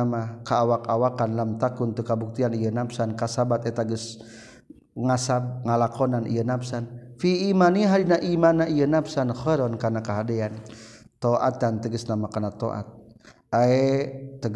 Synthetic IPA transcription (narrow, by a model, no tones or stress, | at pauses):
amakaːwakawakanlamt̪akunt̪ukabuk̚t̪ianijənapsankasabat̪et̪aɡəs | ŋasab̚ŋalakonanʔḭjənapsanfiːmaniɦadinaʔimanaijənapsanxəɾɔnkanakaɦadian | t̪oʔa̰t̪ant̪əɡəsnamakanat̪oʔa̰t̪̚ | aet̪əɡ